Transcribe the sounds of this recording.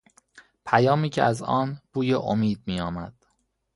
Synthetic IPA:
pʰæjɒːmiːcʰḛæzɒːnb̥uːjeʔomiːd̪̚miːjɒːmæd̪̥

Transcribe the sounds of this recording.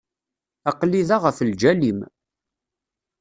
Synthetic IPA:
ɑqlːiðaʁəfld͡ʒælim

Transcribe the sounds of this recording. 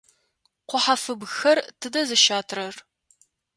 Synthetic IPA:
qʷʊħafɨbxɐrtʰɨdɐzɨʃaːtʰrɐr

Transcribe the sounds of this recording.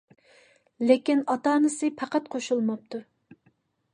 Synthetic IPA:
lekʲinɑt̪ɑːnɨsɨpʰɑqɑt̪̚qʰoʃulˠmɑp̚t̪ʰu

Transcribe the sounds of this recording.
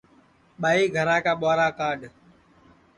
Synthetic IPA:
ɓaːiːɡʱəɾãːkaːɓaːɾaːkaːɖ

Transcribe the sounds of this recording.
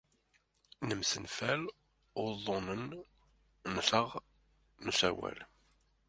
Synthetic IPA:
nəmsənfæl | ʊɾðˤonən | nɬəʁ | nusæwæ̰l

